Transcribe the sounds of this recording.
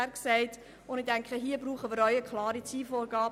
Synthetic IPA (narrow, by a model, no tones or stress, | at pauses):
ɾksɛɪt | ʊndɪdɛŋkχəɦiːəbɾuːχənmɪːɾœʏəkʰχlɑːɾit͡siːfoːɾɡɑːb